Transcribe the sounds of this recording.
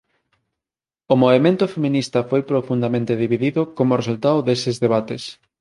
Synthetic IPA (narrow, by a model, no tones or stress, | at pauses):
omoβemẽnt̪ʊfemĩnist̪ɐfojpɾofund̪amẽnt̪eðiβiðiðʊkomʊresult̪aoðesezðeβ̞at̪es